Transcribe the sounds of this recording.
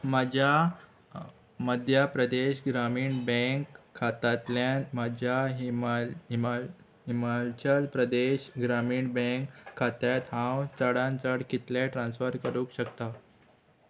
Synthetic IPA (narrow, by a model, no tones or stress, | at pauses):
mad͡ʑʱja | məd̪ʱjapɾəd̪eɕɡɾamiːɳbə̃ŋkʰːat̪at̪ljanmad͡ʑʱjamam | ɦimalt͡ɕəlpɾəd̪eɕɡɾamiːɳbẽŋkʰːat̪jat̪ɦãwt͡səɽãnt͡səɽkit̪leʈɾãnsfəɾkəɾuːkɕəkt̪a